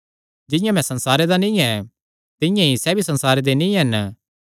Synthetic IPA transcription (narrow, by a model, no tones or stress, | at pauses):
d͡ʒɪ̃jãmɛ̃sɐ̃nsaːɾed̪anĩːɛ | t̪ɪ̃jãisɛbʱisɐnsaːɾed̪enĩːɦɛn